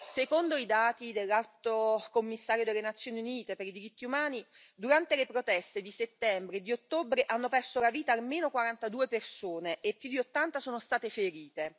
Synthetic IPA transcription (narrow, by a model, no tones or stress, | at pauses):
sekond̪oid̪aːt̪id̪elːalt̪okomːisːaːɾjod̪elːenat̪sːjoːniuniːt̪epeɾid̪iɾit̪ːiumaːni | d̪uɾant̪elepɾot̪ɛst̪ed̪iset̪ːɛmbɾed̪iot̪ːobɾeʔanːopɛrsolaviːt̪aːlmeːnokwaɾant̪ad̪uːepersoːneʔepːjud̪iot̪ːant̪asoːnost̪aːt̪efeɾiːt̪e